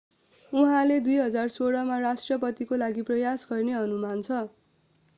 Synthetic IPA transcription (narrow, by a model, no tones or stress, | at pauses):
uɦãled̪ujɦʌd͡zarsoɽʌmarasʈrʌpʌt̪ikolaɡiprʌjasɡʌrneɦʌnumant͡sʰʌ